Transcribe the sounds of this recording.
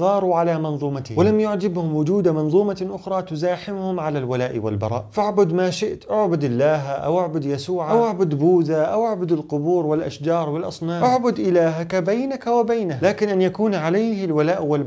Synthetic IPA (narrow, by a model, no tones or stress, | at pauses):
ɣɑːɾˤuʕalamɑnðˤuːmat̪hwɪlamjʊʕd͡ʒɪbhʊmwʊd͡ʒuːd̪amɑnðˤuːmaʔʊxɾˤɑːt̪ʊzaːħɪmhʊmʕalalwalaːʔwɪ̰lbɑ̰ɾˤɑ̰ːʔfaʕbʊd̪maːʃɪʔt̪ʔaʕbʊd̪ɪlːaːɦaʔa̰wʔaʕbʊd̪jasuːʕaʔawʔaʕbʊd̪buːðaʔawʔaʕbʊd̪ɪlqʊbuːɾwɪlʔa̰ʃd͡ʒɑːɾˤwɪlʔɑsˤnɑːʔaʕbʊd̪ʔɪlaːɦakabajnakawɪbajnahlaːkɪnʔanjakuːnʕalajhɪlwalaːʔwɪl